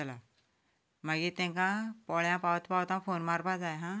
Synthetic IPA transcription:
t͡ʃɐla | mɐɡit̪ẽkãpɔːɭjãpaːt̪pawt̪ãpʰoːnmaːɾbʱad͡ʒaːjeɦãː

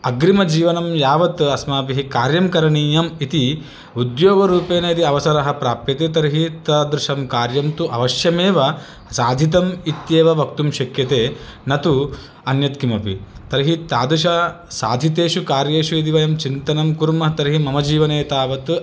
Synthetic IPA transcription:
ɐɡɾimɐd͡ʒiːʋɐnɐmjaːʋɐt̪ɐsmaːpiɦikaːɾjɐmkɐɾɐɳiːjɐmit̪i | ud̪joːɡɐɾuːpeːnɐit̪iɐʋɐsɐɾɐɦɐ̆pɾaːpjɐt̪eːt̪ɐɾɦit̪ɐːd̪ɾɪʃɐmkaːɾjɐmt̪uʔɐ̰ʋɐʃjɐmeːʋɐ | saːd̪ʱit̪ɐmit̪jeːʋɐʋɐkt̪umʃɐkjɐt̪eːnɐt̪u | ɐnjɐt̪kimɐpḭt̪ɐɾɦit̪aːd̪ɾuʃ̬ɐsa̰ːd̪ʱit̪eːʃukaːɾjeːʃuid̪̬iʋɐjɐmt͡ʃint̪ɐnɐmkuɾmɐɦɐt̪ɐɾɦimɐmɐd͡ʒiːʋɐneːt̪aːʋɐt̪

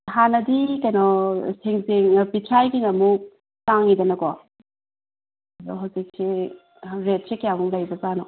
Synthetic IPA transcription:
hanɐdikɐjnɔseŋzeŋpitʰɾajɡiŋɐmuk̚ | taŋːidɐnɐkɔ | ɐdɔ̰ɦawzik̚si | ɾet̚sekjaɡuŋlajbɐzanɔ

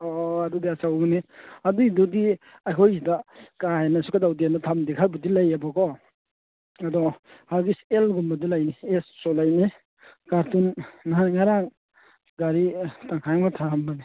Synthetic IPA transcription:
ɔadudiasawɡaniaduidudi | ajkʰojzidakaenasukadawdianatʰamdikʰaɾbadilajabɔkɔ | ɐdɔhaɾɡiselɡumbadilajniessɔlajni | kaɾtunːaŋaɾaŋ | ɡaɾitaŋkʰajamatʰambani

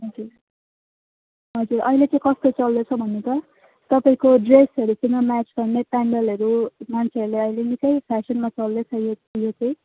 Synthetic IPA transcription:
ɦʌd͡zur | ɦʌd͡zurʔʌjlet͡sʌĩkʌst̪ot͡sʌld̪ot͡sʰʌbʱʌnːet̪ʌ | t̪ʌpaĩkoɖresɦʌɾusiŋʌmat͡skʌrnepaɳɖʌlɦʌɾumant͡sʰeʌɾuleʌilenikʌjpʰasʌnmat͡sʌldet͡sʰʌjojot͡sʌĩ

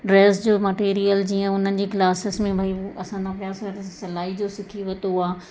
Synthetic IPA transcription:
ɖɾeːsd͡ʑoːmɐʈeːɾijəld͡ʑiːə̃ʊn̤ənɪ̆d͡ʑeːklaːsɪsmẽbʱaːiɐsãnd̪apjaːsɐɾsɐlaːid͡ʑosɪkʰiʋɐt̪oaː

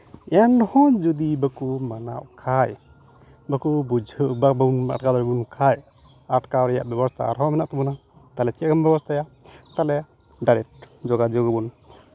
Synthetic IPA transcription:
ɛnɖɔhɔ̃d͡ʒud̪ibakumana̰ʔkʰaj | bakubud͡ʒʱəbabauna̰ʈkad̪ɔɾɛbunkʰaj | aʈkaɾɛja̰ʔbɛbɔst̪ʰa̰a̰ɾɦɔmɛnaʔt̪ɔmɔnat̪alɛt̪ijaʔɡambɛbɔst̪ʰaja | t̪alɛ | ɖajɾɛk̚ʈ̚d͡ʒɔɡad͡ʒɔɡəbun

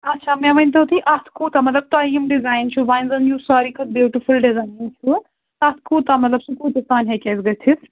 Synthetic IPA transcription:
ɐtːʃʰaːmɛ̃ʋɐnʲt̪̬ɐt̪ʰiʔɐt̪ʰkut̪ɐmɐt̪lɐb̚t̪aiːmɖizaːjnt͡ʃʰubajnzɐnjusaːɾikɐt̪̚bjuːʈifulɖizaːjnt͡ʃʰu | ɐt̪ʰkuːt̪ɐmɐt̪lɐbsukuːt̪ɐst̪aːnʲɦɛkɛzɡɐt̪ʰis

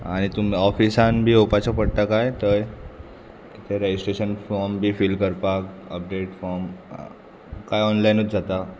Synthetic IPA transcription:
aɽ̃it̪umiɔfisãnbʱiːopat͡ɕapəɽt̪akajt̪əj | kit̪ʰeɾed͡ʑisʈɾeɕənfɔɾmbʱiːfilkəɾpak | əp̚ɖeʈfɔɾm | kajɔnlajnut̪d͡zat̪a

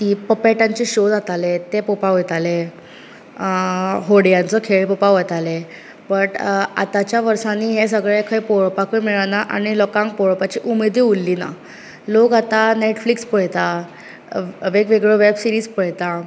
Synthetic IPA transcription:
t̪iːpəpaʈãɲt͡ɕeɕod͡zat̪alet̪epopaɦojt̪ale | ɦoɽjant͡səkʰeɭpɔpaɦojt̪ale | bəʈa̰t̪at͡ɕjaʋəɾsaniːɦes̬əɡɭekʰəjpoɭpakəmiɭanaʔa̰ɽ̃ilɔkãŋk̚poɭpat͡ɕiʔumed̪iulːina̰ | lokat̪aneʈflikspəɭt̪a | ʋeɡʋeɡɭəʋebsiɾiːd͡zpəɭt̪a

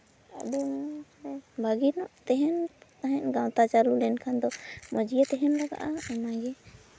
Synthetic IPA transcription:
adu | bʱaɡinɔʔt̪ɛɦɛnt̪aɦɛ̃ʔɡawt̪at͡ʃalulɛnkʰand̪ɔmɔd͡ʒijat̪ɛɦɛnlaɡa̰ʔaɔnaɡɛ

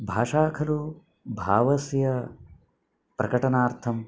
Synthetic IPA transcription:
bʱaːʂaːkʰɐɾu | bʱaːʋɐsjɐ | pɾɐkɐʈɐnaːɾt̪ʰɐm

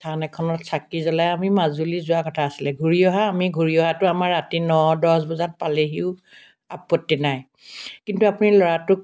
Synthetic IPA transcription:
tʰanɛkʰɔnɔtsakizɔlajamimazulizʊakɔtʰaːsilɛɡʱuɹiɔɦaːmiɡʱuɹiɔɦatʊamaɹːatinɔdɔsbɔzat̚paleɦiʊ | apːɔtːinaj | kintuapʊnilɔɹatʊk̚

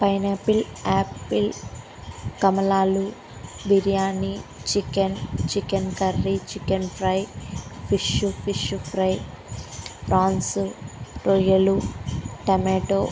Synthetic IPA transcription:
pɐjneːpilaːpːil | kɐmɐlaːlu | biɾijaːnit͡ʃikent͡ʃikenkɐɾːit͡ʃikɐnpɾɐjpʰiʃupʰiʃupʰɾɐj | pɾaːnsuɾojɐluʈɐmeːʈoː

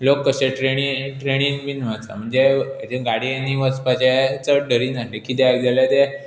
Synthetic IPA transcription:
lokːəɕeʈɾeɽ̃iʈɾeɽ̃iːnbinʋat͡sa̰m̤əɳd͡zet̪eɡaɽianiʋət͡spat͡ɕat͡səɖəɾiːnaɦlekit̪eaɡd͡zaljat̪e

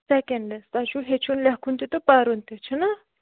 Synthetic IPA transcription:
sekeɳɖest̪aʃuɦet͡ʃʰunlʲaɦkʰunt̪it̪opaɾunt̪et͡ʃʰənɐ

